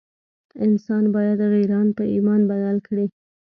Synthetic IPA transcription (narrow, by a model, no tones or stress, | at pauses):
ɪnsɑnbɑjad̪ɣiɾɑnpəʔimɑnbajɑlkɽe